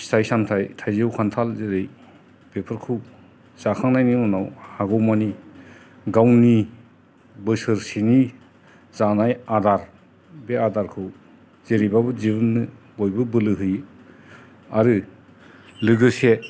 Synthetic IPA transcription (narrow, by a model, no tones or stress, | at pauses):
stajsamtʰajtʰajzɯwkʰantʰalzeɾɯj | bepʰɯɾkʰɯw | z̥akʰaŋnajnimɔnawhaɡɔwmani | ɡawni | bɯsɯɾseni | z̥anajadaɾ | beadaɾkʰɯw | z̥eɾibabɯzibɯnːɯ | bɔjbɯbɯlɯɦɯj | aɾɯ | lɯɡɯse